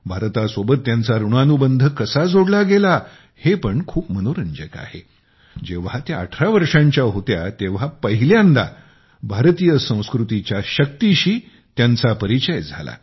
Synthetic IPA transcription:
bʱaɾt̪asʋobət̪ːjãnt͡saɾuɳ̃anubənd̪ʱəkəsad͡zʱoɽlaɡela | hepəɳkʰuːpmənoɾəɲd͡ʑəka̰he | d͡ʑeʋ̤at̪ja̰ːʈʰɾaʋəɾʂãɲt͡ɕjaɦot̪ja̰t̪eʋ̤apəɦiljand̪a̰ | bʱaɾt̪ijəsə̃w̃skɾut̪it͡ɕjaɕək̚t̪iɕiː | t̪jant͡sapəɾit͡ɕəjd͡zʱa̰la̰

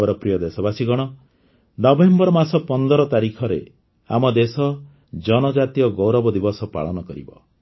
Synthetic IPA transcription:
ɔɾɔpɾijɔd̪esɔbasiɡɔɽ̃ɔ | nɔbembɔɾɔmasɔpɔnd̪ɔɾɔt̪aɾikʰɔɾḛ | a̰mɔd̪esɔ | d͡ʒɔnɔd͡ʒat̪ijɔɡɔwɾɔbɔd̪ibɔsɔpa̰ɭɔnɔkɔɾibɔ̰

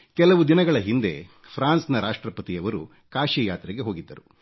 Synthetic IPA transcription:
kɛlɐʋud̪inɐɡɐɭɐɦind̪e̞̰ | pʰɾaːnsnɐɾaːʂʈɾɐpɐt̪ijɐʋɐɾu | kaːʃijaːt̪ɾɛɡe̞ɦo̞ːɡid̪ːɐɾu

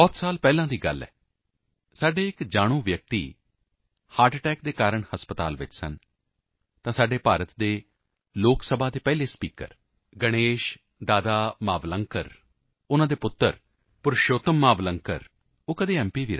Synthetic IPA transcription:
bɔːt̪saːlpɛːlãːd̪iːɡə̰lːɛ̰ː | saːɖeːɪkd͡ʒaːɽ̃ũːʋjək̚t̪ḭː | haːɾʈʈɛːk̚d̪eːkaːɾəɳhəspət̪a̰ːlʋɪ̰t͡ʃsə̰n | t̪ãːsaːɖeːpaːɾət̪d̪eː | loːksəbʱaːt̪eːpɛːleːspiːkə̰ɾ | ɡəɽ̃eːʃ | d̪aːd̪aːmaːʋləŋkə̰ɾ | ʊnãːd̪eːpʊt̪ːə̰ɾ | pʊɾʃoːt̪əmːaːʋləŋkə̰ɾ | oːkəd̪eːɛ̃ːmpiːʋiːɾ

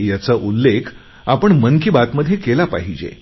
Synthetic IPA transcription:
jat͡səʔulːekʰ | apəɳməŋkibat̪məd̪ʱːjekelapa̰ɦid͡ʑḛ

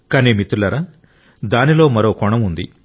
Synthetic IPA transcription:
kɐniːmit̪ːulɐɾɐ | d̪aːnilo̞ːmɐɾo̞ːkɔɳɐmund̪ḭ

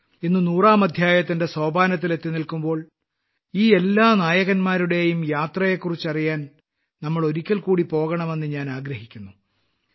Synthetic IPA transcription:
enːɨnuːraːmɐd̪ʱjaːjɐt̪ːinde̞soːbʱaːnɐt̪̬ːile̞t̪ːinilkumbo̞ːɭ | iːe̞lːaːnaːjɐɣɐnmaːɾuɽe̞jumjaːt̪rɐje̞kːurit͡ɕːɐrijaːn | nɐmːɐɭo̞ɾikʲːɐlkuːɽipo̞ːɣɐɳɐme̞nːɨɲaːnaːɡɾɐhikʲːunːu

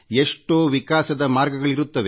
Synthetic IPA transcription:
eʂʈoːʋikaːsɐd̪ɐmaːɾɡɐɡɐɭiɾut̪ːɐʋe

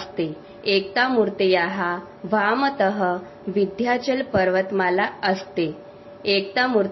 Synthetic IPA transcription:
st̪e | ek̚t̪amuɾt̪ejaɦa | ʋamət̪əɦə | ʋid̪ʱjat͡ɕəlpəɾʋət̪malaəst̪e | ekt̪amuɾ

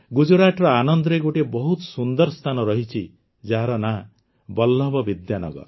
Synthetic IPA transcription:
ɡud͡ʒɔɽaʈɾɔanɔnd̪ɾeɡoʈebɔɦut̪sund̪ɔɾst̪ʰanɔɾɔɦit͡ʃʰi | d͡ʒaɦaɾɔna | bɔlːɔbɔbid̪janɔ̰ɡɔ̰ɾ

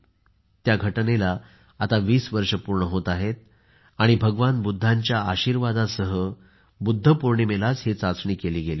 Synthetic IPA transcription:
t̪jaɡʱəʈnela | at̪aʋiːsʋəɾʂəpuɾɳəɦot̪aɦet̪̚ | aɽ̃ibʱəɡəʋanbud̪ʱːãɲt͡ɕjaaɕiːɾʋad̪asəɦə | bud̪ʱːəpuɾɳemelat͡shet͡sat͡sɳiːkeliːɡeliː

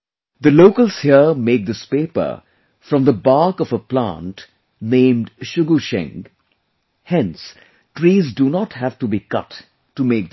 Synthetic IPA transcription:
d̪əloʊkəlshiəmeɪk̚d̪ɪspeɪpə̰˞ | fɾʌ̃mðəbaɹkɔvəplã̰nt | nẽːmɖʃʊɡuʃɛ̰̃ŋ | hɛ̃ns | ʈɹiːzdunɔthæfʈubikʌ̰tː | umeɪk̚

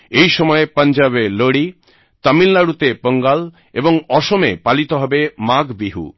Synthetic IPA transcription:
ejʃɔmɔepand͡ʑaβeloɽi | t̪amilnaɽut̪epəŋɡal | eboŋɔʃomepalit̪oɦɔbemaɡbiɦṵ

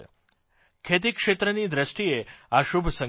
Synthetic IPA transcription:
kʰet̪ikʃet̪ɾənid̪ɾəʃʈieaʃubʱsə̃

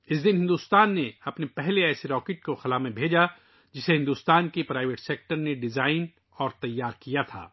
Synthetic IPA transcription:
ɪs̬d̪ɪnɦɪ̃nd̪uːst̪aːnːeɐpnepɛɦleɛːseɾɔːkeːʈ̚koxɐlaːmẽbʱeːd͡ʒa | d͡ʒɪseɦɪ̃nd̪uːst̪aːnkepɾaːɪʋeʈseːk̚ʈəɾneɖɪzaːɪn | ɔːɾt̪ɐjːaːɾkijat̪ʰa̰ː

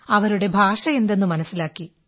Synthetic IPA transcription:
ɐʋɐɾuɽe̞bʱaːʂɐe̞nd̪e̞nːɨmɐnɐsːilaːkːi

